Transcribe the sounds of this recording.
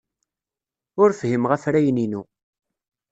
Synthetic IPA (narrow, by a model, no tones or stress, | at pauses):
ʊɾfɦimʁəfɾæjninu